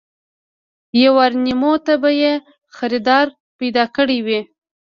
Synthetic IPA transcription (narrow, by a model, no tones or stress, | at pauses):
jawɑɾnimot̪abaje | xaɾid̪ɑɾ | pajd̪ɑkəɽiwi